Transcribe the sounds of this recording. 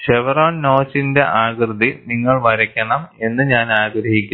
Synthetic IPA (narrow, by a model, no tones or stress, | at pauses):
ʂeʋɐraːnnoːt͡ɕːinde̞ʔaːɡrɨðiniŋːɐɭʋɐɾɐkʲːɐɳɐme̞nːɨɲaːnaːɡɾɐhikʲːu